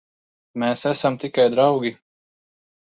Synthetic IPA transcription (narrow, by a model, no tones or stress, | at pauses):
meːsæsamt̪ikajd̪ɾawɡʲi